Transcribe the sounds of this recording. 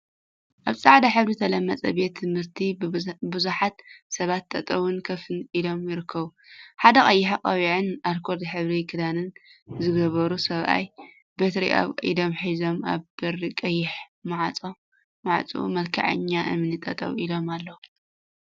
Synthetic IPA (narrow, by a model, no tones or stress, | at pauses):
ʔaβt͡sʼaʕd̪aħɨβɾit̪ʰɐlɐmːɐt͡sʼɐ̰be̞t̪ʰːɨmhɨɾt̪ʰibɨzuħat̪sɐβat̪ːɐt̪ʼɐwʊnkʰɐfɨnilo̞mjɪɾɨkʰːɐβuħad̪ɐkʼɐjːɪħakʼɐβiʕɨnʔaɾkʰo̞ɾd̪ħɨβɾikʰɨd̪anɨnzɨɡɐβɐɾusɐβʔa̰j | bet̪ɾḭʔa̰βʼḭd̪o̞mħizo̞ma̰βbɐɾikʼɐjːɪħ | maʕʼ | maʕt͡sʼṵṵmɐlkʰa̰ʕɐ̰ɲːaʔɨ̰mɨnit̪ʼɐt̪ʼɐ̰wilo̞malːɐwu